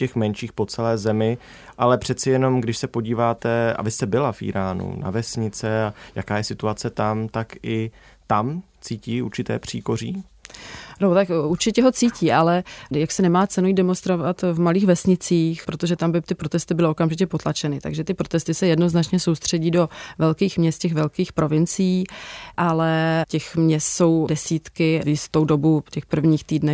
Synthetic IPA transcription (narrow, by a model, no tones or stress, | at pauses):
cɛxmɛnʃiːxpo̞t͡sɛlɛːzɛmɪ | ʔalɛpr̝̥ɛt̪t͡sɪjɛno̞mɡdɪʃsɛpo̞ɟiːvaːt̪ɛʔa̰bɪst̪ɛbɪlafʔḭːɾaːnṵna̰vɛsɲɪt͡sɛajakaːjɛsɪt̪uat͡sɛt̪amt̪akɪ | t̪am | t͡siːciːuɾt͡ʃɪt̪ɛ̰ːpr̝̥ḭːko̞r̝iː | not̪akuɾt͡ʃɪcɛɦo̞t͡siːciːʔalɛjaksɛnɛmaːt͡sɛnuidɛmonst̪ɾo̞vat̪vmaliːxvɛsɲɪt͡siːxpɾo̞t̪oʒɛt̪ambɪt̪ɪpɾo̞t̪ɛst̪ɪbɪlɪo̞kamʒɪcɛpo̞t̪lat͡ʃɛnɪt̪a̰ɡʒɛt̪ɪpɾo̞t̪ɛst̪ɪsɛjɛdno̞znat͡ʃɲɛso̞wst̪r̝̥ɛɟiːdo̞vɛlkiːxmɲɛst̪cɛxvɛlkiːxpɾo̞vɪnt͡sɪjiːʔalɛcɛxmɲɛst̪so̞wdɛsiːt̪kɪjɪst̪o̞wdo̞bucɛxpr̩vɲiːxt̪iːdnɛ